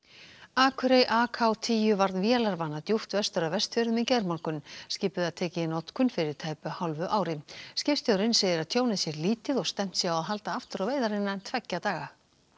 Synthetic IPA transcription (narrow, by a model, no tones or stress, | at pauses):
aːkʰʏɾejʔaːkʰawt̪ʰiːjʏvaɾðnvjɛːlaɾvanːat̪juht̪vɛst̪ʏɾavɛst̪fœɾɪðmɪðcɛɾmaŋkʏnscɪːpʏðaðt̪ʰɛːcɪɪnɔt̪kʏnfɪɾɪɾ̥t̪ʰaːjpʏhawlvʏʔaːwɾɪscɪfst̪jowɾɪnseːjðɪɾaðt̪ʰjoːwnɪðsjɛɾliːt̪ɪðɔɣst̪ɛm̥t̪sjaawaðɦalt̪aaft̪ʏɾaveːjðaɾɪnːaɛnt̪ʰvɛcːat̪aːɣa